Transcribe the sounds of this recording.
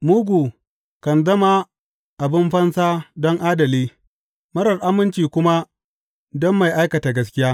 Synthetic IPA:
muː˦ɡʷuː˨ | kɐ˨nzɐ˦ma˦ | ʔa˨bɪ˦mɸɐ˦nsaː˦dɔ˦ŋʔaː˦dɐ˨liː˦ | mɐ˦ɾɐ˨rʔa˦mɪ˦nt͡ʃiː˨kʷʊ˦ma˦ | dɔ˦mːa˨jʔa˦jkɐ˨ta˨ɡɐ˦s̬kʲɪ˦jaː˦

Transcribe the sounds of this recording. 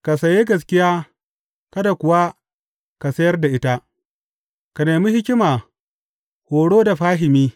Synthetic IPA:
ka˨sɐ˨je˦ɡɐ˨s̬kʲɪ˦jaː˦ | kɐ˦da˨kʷʊ˨wa˦ | ka˨sɐ˦jɐ˦rda˨ʔɪ˦ta˦ | ka˨neː˨mi˦hɪ˦kʲɪ˦maː˨ | hoː˨ɽoː˦da˨ɸaː˦ɦɪ˨miː˦

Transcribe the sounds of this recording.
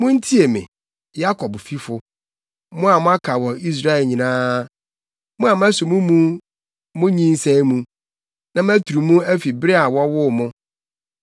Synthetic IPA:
mʊ̃˦n̩˦tʰi˦e˨mɪ̰̃˨ | ja˦kʰɔ˨bfi˦fʊ˨ | mʊ̃˦a˨mʊ̃˦a˦kʰa˨wɔ˨i˦s̬ɾa˦ɛ˨lɲĩ˨nãː˦ | mʊ̃˦a˨m˦æ˦sʊ̃˨mũ˦mũ˦ | mʊ̃˦ɲĩ˦n˦sɛ̃˦i˦mũ˦ | nã˨mæ˦tʰu˨ɾu˨mũ˦æ˦fi˨bɾi˦a˨wɔ˦wʊ˦˨mʊ̃˦

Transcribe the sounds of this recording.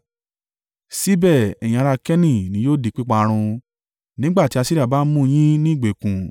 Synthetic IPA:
si˦bɛ˦˨ɛ˨j̃ĩ˧a˧ɾa˧kɛ˦nĩ˦˨nĩ˨˦joː˦di˨˦k͡pi˦k͡pa˧ɾ̃ũ˧ | nĩ˦ɡ͡ba˦˨ti˨˦a˧si˦ɾi˦a˦˨ba˦mũ˦˧j̃ĩ˦nĩ˦i˦˨ɡ͡be˨kũ˨

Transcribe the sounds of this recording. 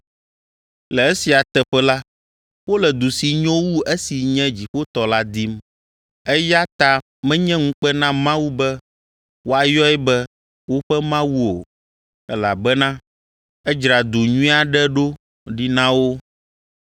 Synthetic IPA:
lɛ˨e˦si˨a˨t̪ɛ˨ɸɛ˦la˦ | wo˦lɛ˨d̪u˨si˨ɲɔ̃˦wu˦ʔe˦si˨ɲɛ̃˦d͡ʑi˨ɸo˦t̪ɔ˨la˦d̪i˦m | ɛ˦ja˦t̪a˦ | mɛ̃˦ɲɛ̃˦ŋũ˦k͡pɛ˦nã˦mã˦wu˦bɛ˦ | wo˦a˨jɔ˦ɛ˦bɛ˦ | wo˦ɸɛ˦mã˦wu˦o˨ | ɛ˦la˨bɛ˦nã˦ | ɛ˦d͡ʒɾa˨d̪u˨ɲũ˦a˨ɖɛ˦ɖo˦ | ɖi˦nã˦wo˦

